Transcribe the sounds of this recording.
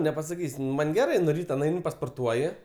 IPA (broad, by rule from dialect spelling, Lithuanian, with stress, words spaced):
nʲɛpɐsɐˈkʲiːsʲ ˈmɐnʲ ɡʲɛˈrɜ nʊ ˈrʲiːtɐ nˈɐɪnʲɪ pɐspoːrˈtuɔjɪ